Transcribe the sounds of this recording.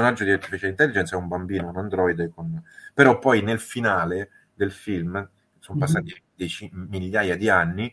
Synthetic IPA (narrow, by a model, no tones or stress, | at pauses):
onad͡ʒod̪iɛt̪ːifit͡ʃɛlint̪ɛlːid͡ʒɛnt̪sɛumbambiːnokonand̪ɾɔjd̪konpeɾɔpːɔjnelfinaːle | d̪elfilm | sompasːaːt̪id̪et͡ʃimiʎːaːjad̪ianːi